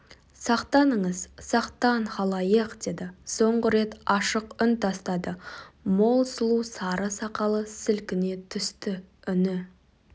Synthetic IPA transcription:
sɑqt̪ɑnəɴəzsɑqt̪ɑnχɑlˠɑjəqd̪e̞d̪ɪso̞ɴʁəɾe̞t̪ɑʃəqʏnt̪ʰɑst̪ɑd̪əmo̞lˠsəlˠusɑɾəsɑqɑlˠəsɪlkʲɪne̞t̪ʰʏst̪ɪʏnɪ

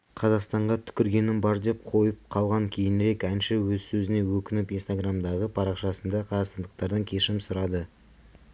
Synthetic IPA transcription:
qʰɑzɑqst̪ɑɴʁɑt̪ʰʏ̥kʲɪɾɡʲe̞nɪnbɑɾd̪e̞p̚qʰo̞jəp̚qʰɑlˠʁɑŋkʲʰe̞jɪnɾe̞kænʃɪwɵzsɵzɪne̞wɵkʲɪnɪpijnst̪aɡramd̪ɑʁəpʰɑɾɑqʃɑsənd̪ɑqʰɑzɑqst̪ɑnd̪əqt̪ɑɾd̪ɑŋkʲʰe̞ʃɪmsʊɾɑd̪ə

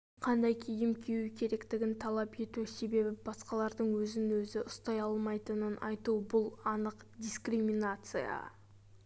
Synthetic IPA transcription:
qʰɑnd̪ɑjkʲʰejɪmkʲʰejukʲʰe̞ɾe̞kt̪ɪɡʲɪnt̪ʰɑlˠɑpe̞t̪use̞be̞bɪbɑsqɑlˠɑɾd̪əɴwɵzɪnwɵzɪʔʊst̪ɑjɑlˠmɑjt̪ənənɑ̰jt̪ubʊlˠɑnəqd̪ʲiskɾimʲinat̪sɨjɑ̰

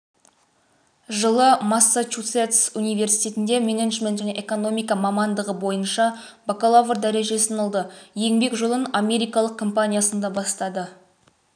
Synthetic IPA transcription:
ʒəlˠəmasːat͡ʃut̪set̪sunijve̞rsijt̪ʲe̞t̪ɪnd̪e̞me̞neʒmʲe̞nt̪ʒæne̞ʔeko̞no̞mijkɑmɑmɑnd̪əʁəbo̞jənʃɑ | bakolˠavrd̪æɾe̞ʒe̞sɪnolˠd̪əje̞ŋbe̞kʒolˠəname̞ɾijkɑlˠəq̚kʰo̞mpanʲijasənd̪ɑbɑst̪ɑd̪ə

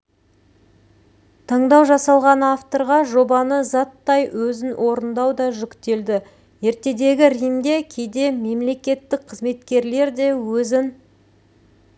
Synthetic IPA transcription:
t̪ʰɑɴd̪ɑwʒɑsɑlˠʁɑnaft̪o̞ɾʁɑʒo̞bɑnəzɑt̪ːɑjwɵzɪnwʔo̞ɾənd̪ɑwd̪ɑʒʏkʲt̪e̞ld̪ɪ | je̞ɾt̪e̞d̪e̞ɡʲɪɾijmd̪e̞kʲʰejd̪e̞me̞mle̞kʲe̞t̪ːɪk̚qʰəzme̞t̪kʲe̞ɾle̞ɾd̪e̞wɵzɪn

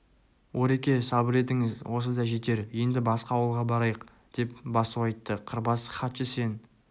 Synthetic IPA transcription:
wo̞ɾe̞kʲe̞sɑbɪɾe̞t̪ɪŋɪzwʔo̞səd̪ɑʒe̞t̪e̞ɾje̞nd̪ɪbɑsqɑːwəlˠʁɑbɑɾɑjəq | d̪̥e̞pbɑsəwɑjt̪ːəqʰəɾbɑsχɑt̪ʃəse̞n

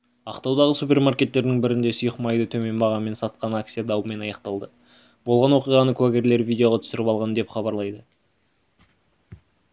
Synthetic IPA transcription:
ɑqt̪ɑwd̪ɑʁəsupʲe̞rmaɾkʲe̞t̪ːe̞ɾd̪ɪŋbɪɾɪnd̪e̞sʊjəqmɑjd̪ət̪ʰɵme̞nbɑʁɑme̞nsɑt̪̚qɑnak̚t̪sijad̪ɑwəme̞nɑjɑqt̪ɑlˠd̪ə | bo̞lˠʁɑnwo̞qijʁɑnəkʰuaɡʲeɾle̞ɾvijd̪ʲeo̞ʁɑt̪ʰʏ̥sɪɾɪpɑlˠʁɑnəd̪epχɑbɑɾlˠɑjd̪ə

